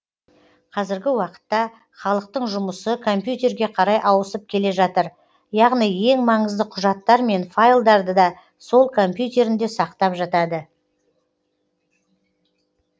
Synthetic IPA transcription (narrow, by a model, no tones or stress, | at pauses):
qʰɑzɪɾɡʲɪwɑqə̥t̪ːɑ | χɑlˠəq̚t̪əɴʒʊməsəkʰo̞mpjut̪ʲe̞ɾɡʲe̞qʰɑɾɑjʔɑwəsəp̚kʲʰe̞le̞ʒɑt̪əɾ | jɑʁnije̞ŋmɑɴəzd̪əqʰʊʒɑt̪ːɑɾme̞nfajlˠd̪ɑɾd̪əd̪ɑ | so̞lˠkʰo̞mpjut̪e̞ɾɪnd̪e̞sɑqt̪ɑpʒɑt̪ɑd̪ə